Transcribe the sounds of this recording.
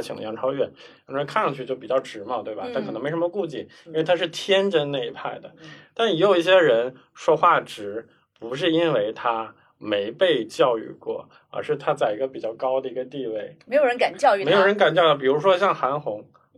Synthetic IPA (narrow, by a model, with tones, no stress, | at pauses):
t͡ɕʰi˨˩ŋd̪ə̰˧jɑ˧˥ŋʈ͡ʂʰɑ˥ʊɥɛ˥˩n˥˩ | ʈ͡ʂkʰa˥˩nʂɑ˥˧ŋt͡ɕʰy˥˧t͡ɕjo˥˩ʊpi˨˩t͡ɕjɑ˥˩ʊʈ͡ʂɻ̩˧˥mə˧t̪we˥˩ɪbɐ˩t̪ʰa˥˩kʰɤ˨˩ɤ˧˥ŋme˧˥ɪʂə˧˥mə˧ku˥˧t͡ɕi˥˩i˥we˥˩ɪt̪ʰa˥ʂɻ̩˥˩t̪ʰjɛ˥nʈ͡ʂə˧na˥˩i˧˥pʰa˥˩ɪd̪ə˩t̪a˥˩n˧ɛ˧˥jo˨˩ʊi˥˩ɕjɛ˥ɻə˧˥n | ʂwɔ˥xwa˥˩ʈ͡ʂɻ̩˧˥ | pu˧˥ʂ̬ɻ̩˥˩i˥nwe˥˧ɪt̪ʰa˥ | me˧˥ɪpe˥˧ɪt͡ɕjɑ˥˧ʊy̰˥˧kwɔ̰˥˩ | ə̰˞˨˧˩ʂɻ̩˥˩t̪ʰa˥t͡sa˥˩ɪi˧˥ɡə˧pi˨˩t͡ɕjɑ˥˩ʊkɑ˥ʊd̪ə˨i˧˥ɡə˧t̪i˥˧we˥˩ɪme˧˥ɪjo˨˩ɻə˧˦nka˨˩nt͡ɕjɑ˥˧ʊy˥˩e˧ɪjo˨˩ʊɻə˧˥nka˨˩nt͡ɕjɑ˥˧kwɔ˥˩p̬i˨˩ɻu˧˥ʂwɔ˥ɕ̬jɑ˥˩ŋxa˧˥nxʊ˧˥ŋ